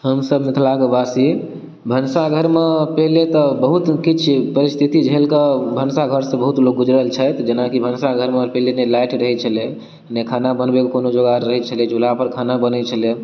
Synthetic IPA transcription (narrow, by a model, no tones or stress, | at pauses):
ɦəmsəbnet̪ʰlaɡəbasi | bʱənsaɡʱəɾmepɛɦlet̪ɔbəɦut̪kit͡ʃʰpəɾist̪ʰit̪id͡ʒɦelkəbʱənsaɡʱəɾsə̃bəɦut̪lok̚ɡud͡ʒɾəlt͡ʃʰət̪d͡ʒenakibʱənsaɡʱəɾmepɛɦlenelajʈɾəɦɛt͡ʃʰəle | nekʰanabənbekkonod͡ʒoɡaːəɦɛt͡ʃʰəled͡ʒulapəɾkʰanabənɛt͡ʃʰəle